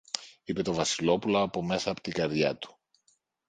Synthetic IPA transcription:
ipe̞t̪o̞vɐsilo̞puloːpo̞me̞sɐːpo̥t̪iɡɐɾðʝɐt̪u̥

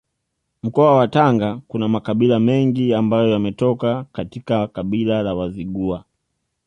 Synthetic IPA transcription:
m̩kɔawataŋɡakunamakaɓilamɛŋɡiambajɔjamɛtɔkakatikakaɓilalawaziɠua

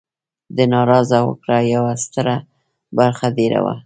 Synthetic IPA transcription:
d̪ənɑɾɑzawə̰kɽajawast̪əɾa | baɾxad̪eɾa̰wa̰

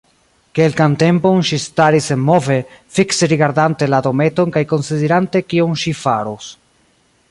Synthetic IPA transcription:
ke̞lkante̞mpo̞nʃistaɾisenmo̞ve̞fikseɾiɡaɾdante̞lado̞me̞to̞nkajko̞nsideɾante̞kioŋʃifaɾos

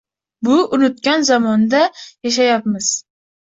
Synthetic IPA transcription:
bʊʊnʊt̪̚kʲanzɒmɒnd̪ajaʃ̬ajap̚mɪz̥

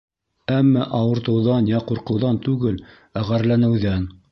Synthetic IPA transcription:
æmːæʔɑwɤ̆ɾt̪ɤ̆wðɑnjɑquɾqɤ̆wðɑnt̪ʉɡɘl | æʁæɾlænɘ̆wðæn

